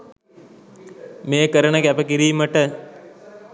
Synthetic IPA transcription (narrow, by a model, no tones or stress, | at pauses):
meːkəɾənəkæpəkiɾiːməʈə